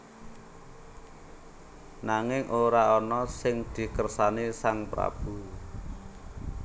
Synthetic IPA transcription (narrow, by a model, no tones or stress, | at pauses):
naŋɪŋʔoɾaɔnɔsɪŋd̪̥i̤kərsanisaŋpɾa̰b̥ṳ